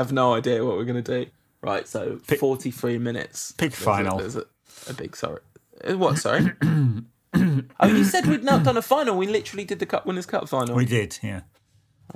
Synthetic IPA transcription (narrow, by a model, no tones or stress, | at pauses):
əvnəʊaɪdɪəwɒʔwɪɡʌnədʉ | ɹa̰ɪtsoʊfɔˑtʰiθɹiːmɪ̃nɪ̰tspʰɪkfãɪ̃nl̩ˠə̰zə | ə̰bɪ̰ɡ̥sɔ̰ɹḭ | wʌtsɔ̰ɹi | ʔjɨsɛd̚widⁿnəʔ̚d̥ʌ̃nəfãɪ̃nl̩ˠwilɪtəɹl̩ˠidɨd̪̚ðəkʰʌ̰ʔwɪ̃nəz̥kʰʌ̰ʔəfãɪ̃nl̩widɪd̥jæ